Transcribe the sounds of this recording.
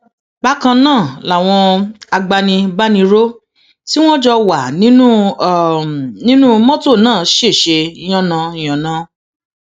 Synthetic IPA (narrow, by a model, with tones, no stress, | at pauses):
ba˦kã˧nãː˦˨la˨w̃ɔ̃˧a˧ɡ͡ba˧nĩ˧ba˦nĩ˧ɾo˦ | ti˦w̃ɔ̃˦d͡ʒɔ˧wa˨nĩ˨˦nũ˦˨ | nĩ˦nũ˦mɔ̃˦to˦˨nãː˦˨ʃe˦˨ʃe˧i˧j̃ɔ̃˦˨nã˧i˨j̃ɔ̃˨nã˨˧˦